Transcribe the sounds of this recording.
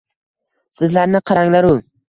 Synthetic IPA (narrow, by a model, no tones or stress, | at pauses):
sɪzlaɾnɪqʰɑɾaŋlaɾʊ